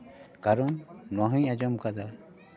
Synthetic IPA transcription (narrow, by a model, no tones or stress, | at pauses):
kaɾɔnnwaɦiɲad͡ʒɔmkad̪a